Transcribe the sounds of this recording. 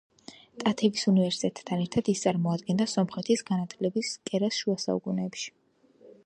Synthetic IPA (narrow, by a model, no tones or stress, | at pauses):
t̪ʼat̪ʰɛvisunivɛɾsi̥t̪ʼɛt̪t̪ʰːanɛɾt̪ʰad̪ist̪sʼaɾmɔad̪ɡɛnd̪asɔmχɛt̪ʰisɡanat̪ʰlɛbiskʼɛɾasʃuasa̰ṵkʼunɛːpʃi̥